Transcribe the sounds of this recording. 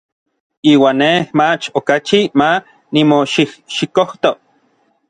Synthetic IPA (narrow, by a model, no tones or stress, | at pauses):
iːwaːnːemat͡ʃokat͡ʃima | nimoʃihʃikoht̪o